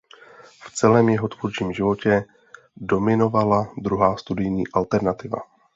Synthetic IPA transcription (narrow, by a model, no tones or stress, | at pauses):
ft͡sɛlɛːmjɛɦo̞t̪vurt͡ʃiːmʒɪvo̞cɛ | do̞mɪno̞valad̪ɾuɦaːst̪udɪjɲiːʔalt̪ɛɾnat̪ɪva̰